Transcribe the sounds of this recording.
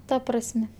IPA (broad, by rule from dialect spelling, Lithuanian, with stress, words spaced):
ˈtɐ prɐsʲˈmʲɛ